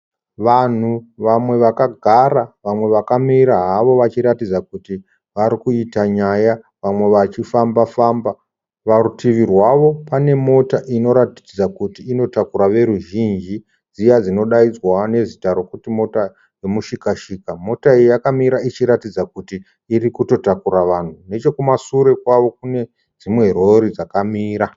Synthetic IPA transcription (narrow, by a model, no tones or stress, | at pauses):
ʋan̤uʋamwe̞ʋakaɡʱaɾaʋamwe̞ʋakamiɾaɦaʋo̞ʋat͡ʃiɾatid͡zakuti | ʋaɾikuitaɲaja | ʋamwe̞ʋat͡ʃifambafaːmba | ʋarutʰiʋirwaʋo̞pane̞mo̞taʔino̞ɾati̥d͡zakutiːno̞takuɾaʋe̞ɾuʒind͡ʒi | d͡zijad͡zino̞ɗaid͡zwane̞zitaɾo̞kutimo̞ta | je̞muʃikaʃikamo̞taejjakamiɾait͡ʃiɾatid͡zakutiː | ɾikuto̞takuɾaʋan̤une̞t͡ʃe̞kumasuɾe̞kwaʋo̞k̚une̞ | d͡zimwe̞ro̞ɾid͡zakamiːɾa